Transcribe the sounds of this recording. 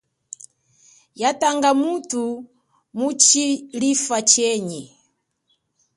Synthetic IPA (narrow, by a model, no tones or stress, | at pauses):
jataŋɡamutu | mut͡ʃilifat͡ʃɛɲɛ